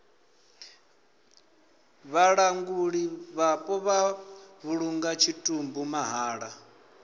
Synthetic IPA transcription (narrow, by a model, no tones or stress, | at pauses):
βaɺaŋɡuɺiβapʼɔβaβuɺuŋɡat͡ʃʰitʼumbumaɦaːɺa